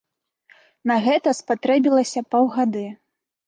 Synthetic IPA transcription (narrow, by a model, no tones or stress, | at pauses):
nɐɣɛt̪ɐspat̪ɾɛbʲilˠɐsʲɐpɔwɣad̪ɨ